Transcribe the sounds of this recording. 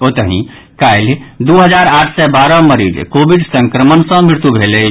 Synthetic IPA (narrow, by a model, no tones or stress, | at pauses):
ot̪əɦḭ̃ | kajld̪uɦəd͡ʒaɾaʈʰsɛbaɾɔməɾḭd͡ʒkobiɖsə̃ŋkɾəmənsə̃mɾiɾt̪ubʱelɛ